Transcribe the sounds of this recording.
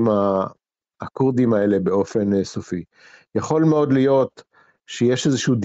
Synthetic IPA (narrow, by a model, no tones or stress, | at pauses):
maː | kuʁd̪imae̞le̞be̞o̞fe̞nsofi | jaχo̞lmeo̞d̪lijo̞t̪ | ʃejeʃezeʃud̪